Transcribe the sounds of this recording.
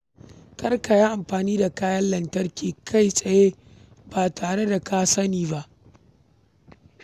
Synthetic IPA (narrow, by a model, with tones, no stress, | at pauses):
kɐ˦rka˨jaː˦ʔa˨mɸaː˨niː˦da˨kaː˦jɐ˦llɐ˨ntɐ˦rkʲiː˨kʰa˦˨jsʼɐ˨je˦ | b̥aː˨taː˨ɽe˦da˨kʰa˦sɐ˦niː˨ba˦ʔ